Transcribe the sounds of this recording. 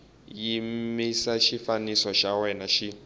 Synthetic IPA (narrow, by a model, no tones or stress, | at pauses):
jimmisaʃifanisɔʃawɛnaʃi